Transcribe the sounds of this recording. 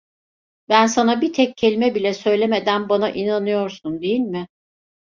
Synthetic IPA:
bænsanabit̪ʰɛccʰːe̞lʲimɛbilʲɛsø̞jlʲeme̞d̪ænbanaʔinanɯjo̞ɾsund̪e̞jilʲmɪ

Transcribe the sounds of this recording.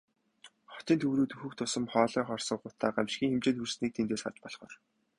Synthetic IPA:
χɔ̥t͡ɕ̪iːnt̪ʰɵwɾuːt̪ɵxɵ̆kt̪ʰʊsə̆mχɔːɮiːŋχɔrsɞ̆ɢʊt̪ʰːaːɢamʃxʲiːŋxemt͡ɕeːnursniːk̚t̪ʰent̪eːsχa̰t͡ɕpɔɮχɔ̰ːr

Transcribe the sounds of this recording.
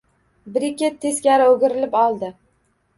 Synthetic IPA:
bɪɾɪkʲet̪ʰːe̞skʲaɾɪoɡʲɪɾɪlɪpɒlˠd̪ɪ

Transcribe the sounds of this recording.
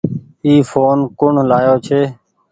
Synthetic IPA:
iːfoːnkʊɳ̤laːjoːt͡ʃʰeː

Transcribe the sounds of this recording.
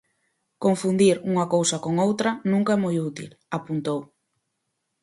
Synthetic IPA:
koɱfund̪iɾuŋɐkowsɐkoŋowt̪ɾɐnũŋkaɛmojut̪ḭl | apunt̪ow

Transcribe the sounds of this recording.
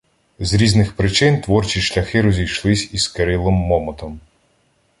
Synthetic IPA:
zɾʲiznɪxpɾɪt͡ʃɪnt̪ʋɔrt͡ʃʲiʃlʲɐxɪɾɔzʲijʃlˠɪsʲiskeɾɪlˠɔmːɔmɔt̪ɔm

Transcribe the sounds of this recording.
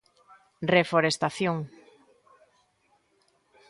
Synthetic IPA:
refoɾest̪aθjoŋ

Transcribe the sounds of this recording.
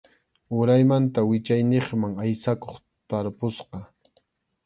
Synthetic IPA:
ʊɾajmant̪awɪt͡ʃajneχmaŋajsakoχ | t̪aɾpʊsqɑ

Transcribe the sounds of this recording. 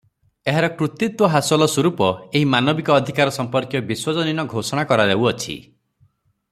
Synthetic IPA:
eɦaɾɔkɾut̪it̪wɔɦasɔlɔswɔɾupɔeɦimanɔbikɔːd̪ʱikaɾɔsɔmpɔɾkjɔbiswɔd͡ʒɔninɔɡʱosɔɽ̃akɔɾad̪euɔt͡ʃʰḭ

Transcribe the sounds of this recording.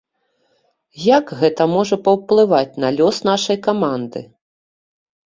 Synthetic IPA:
jaɡɣɛt̪ɐmɔʐɐpɐwplˠɨvat͡sʲnɐlʲɔsnaʂɐjkamand̪ɨ̰

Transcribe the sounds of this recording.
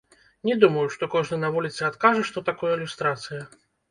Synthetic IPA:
nʲɛd̪umɐjuʂt̪ɔkɔʐnɨnɐvulʲit̪sɨat̪kaʐɛʂt̪ɔt̪akɔjɐilʲust̪ɾat̪sɨjɐ

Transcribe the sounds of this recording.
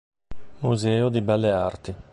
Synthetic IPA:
muzɛːod̪ibɛlːeart̪i

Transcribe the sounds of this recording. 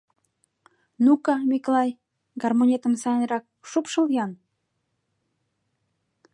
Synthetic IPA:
nukɑmiklɑj | ɡɑrmonʲet̪əmsɑnɾɑk̚ʃupʃəljɑn

